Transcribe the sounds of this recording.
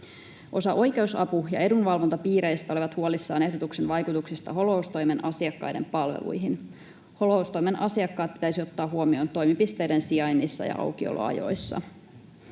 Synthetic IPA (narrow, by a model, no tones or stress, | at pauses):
ʔo̞sɑʔo̞jk̟e̞usɑpujɑ̰e̞dunʋɑlʋo̞nt̪ɑpiːɾe̞jst̪æoleʋɑt̪huolisːɑːne̞hdot̪uksenʋɑjkut̪uksist̪ɑɦo̞loust̪o̞jme̞nʔɑsiɑkːɑ̰jde̞̰mpɑlʋḛlṵjɦin | ho̞loust̪o̞jme̞nɑsiɑkːɑːt̪̚pi̥t̪æjsio̞t̪ːɑːɦuomio̞ːnt̪o̞jmipist̪e̞jdensiɑjnːisːɑ̰jɑ̰ʔɑ̰wk̟io̰lo̰ɑ̰jo̞̰jsːɑ̰